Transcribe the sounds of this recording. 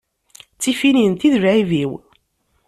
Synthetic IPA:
t͡sːifinint̪iðvʕiviw

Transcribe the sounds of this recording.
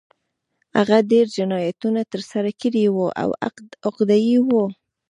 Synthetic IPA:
ha̰ɣaɖeɾd͡ʒɪnɑjat̪unat̪əɾsaɾakəɾiwuʔa̰wa̰d̪ʊqd̪ɑjiwo

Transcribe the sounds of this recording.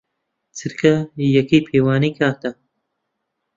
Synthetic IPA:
t͡sʰɨɾkʰɐjɐkiːpʰeːwaːniːkʰaːt̪ɐ

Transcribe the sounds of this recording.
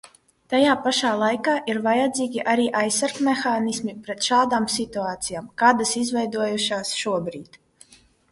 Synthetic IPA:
t̪ajaːpaʃaːlˠajkaːʔiɾvajad̪ziːɡʲiʔaɾiːʔajsːaɾkmexaːnismipɾɛt̪ʃaːd̪aːmsit̪uaːt̪sijaːmkaːd̪asizvɛjd̪uɔjuʃaːsʃuɔbɾiːt̪

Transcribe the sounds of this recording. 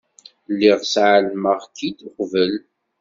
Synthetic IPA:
lːiʁsʕəlməʁkːid̪ʊqvəl

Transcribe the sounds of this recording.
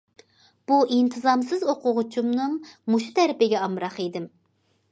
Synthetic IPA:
b̥uʔint̪ʰɨzɑmsɨzoqʰʊʁʊt͡ʃʰumnɨŋmuʃu̥t̪ʰæɾɪpɪɡʲɛɑmɾɑχid̪ɪm

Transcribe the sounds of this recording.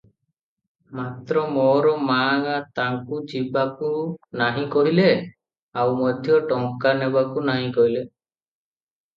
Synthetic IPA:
mat̪ɾɔmoɾɔmaːŋat̪aŋkud͡ʒibakunaɦĩkɔɦile | awmɔd̪ʱjɔʈɔŋkanebakunaɦĩkɔɦile

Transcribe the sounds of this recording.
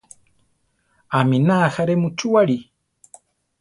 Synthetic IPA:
aminaːxaɾemut͡ʃuaɽi

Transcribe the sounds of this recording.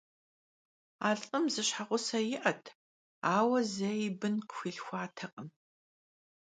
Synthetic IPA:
aːɮʼɨmzɨɕħaʁʷʊsɐjɪʔɐtʰ | aːwɐzɐjɪbɨnqə̥xʷiːɬxʷɑːtʰɐqʼəm

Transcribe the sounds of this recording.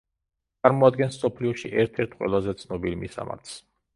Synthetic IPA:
t̪sʼaɾmɔad̪̚ɡɛnssɔpʰliɔʃiʔɛɾt̪ʰɛɾt̪ʰqʼwɛ̰lˠazɛt̪sʰnɔbilimḭsa̰ma̰ɾt̪ʰs

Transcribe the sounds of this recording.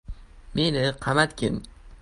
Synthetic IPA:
menɪqʰɑmat̪kʰʲɪ̰m

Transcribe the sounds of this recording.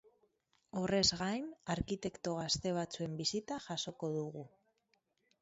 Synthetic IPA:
o̞re̞zɣajnaɾkit̪e̞kt̪o̞ɣ̞ast̪e̞β̞at͡sue̞mbisit̪aʝaso̞ko̞ðuɣu

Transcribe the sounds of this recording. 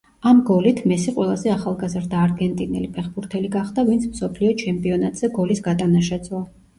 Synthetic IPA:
amɡɔlit̪ʰmɛsiqʼwɛlˠazɛaχalˠɡazɾd̪aːɾɡɛnt̪ʼinɛ̰lipʰɛχbuɾt̪ʰɛliɡaχd̪avint̪sʰmsɔpʰliɔt͡ʃʰɛmpʼiɔnat̪ʼz̥ɛɡɔlisɡat̪ʼanaʃɛd̪sʼwɔ

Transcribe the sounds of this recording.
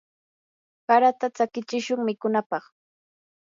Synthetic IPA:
kaɾat̪at͡sakɪt͡ʃɪʃʊŋmɪkʊnapɑχ

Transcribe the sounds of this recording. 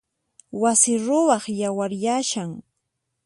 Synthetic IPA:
wasɪɾʊwɑχjawaɾjaʃaŋ

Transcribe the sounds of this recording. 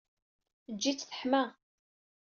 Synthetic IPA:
əd͡ʒːit͡sːθə̥ħmæ

